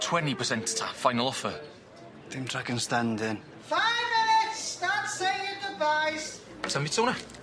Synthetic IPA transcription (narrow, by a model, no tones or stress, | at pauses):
tʰwɛntipʰəsɛ̃ntə̥tʰa̰fajnəlˠɔfə | d̥ɪ̃mtʰɹ̥akə̃nstandɪn | faɪvmɪnɪtsðatseɪɪndɪdvaɪs | tʰəmitʰownə